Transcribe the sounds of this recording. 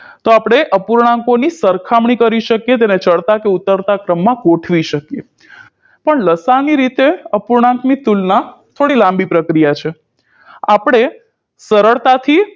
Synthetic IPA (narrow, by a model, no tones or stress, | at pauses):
t̪oapɽ̃eʔəpuɾɳãŋkonisəɾkʰamɳikəɾiʃəkjet̪̬enet͡ʃəɭt̪akeut̪ːəɾt̪akɾəmːãɡoʈʰʋiʃəkje | pəɳləsaniɾit̪eəpuɾɳãŋkmit̪ulnat̪ʰoɽilãmbipɾəkɾijat͡ʃʰe | apəɽ̃e | səɾəɭt̪at̪ʰi